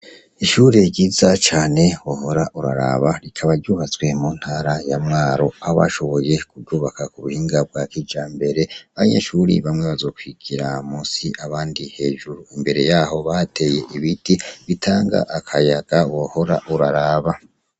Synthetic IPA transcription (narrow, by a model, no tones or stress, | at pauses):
iʃuːɾeɾɟizat͡ʃaːne̞woho̞ɾaʔuɾa̰ɾa̰βaɾikʰaβaɾɟuːβat͡swe̞mun̥haːɾajamŋaːɾo̞aβa̰ʃo̞βo̞je̞kuɾɟuːβakakuβuhiːŋɡab̚ɡwakid͡ʒaːmbe̞ɾe̞aβaɲḛʃuɾḭβamŋeβazokwiɡ̥iɾamusiʔaβaːndihe̞ːʒuɾuimbe̞ɾe̞jaho̞βate̞je̞ʔiβitiβitʰaːŋɡa̰ʔakʰajaɡ̥awoho̞ɾa̰ʔuɾaɾaːβa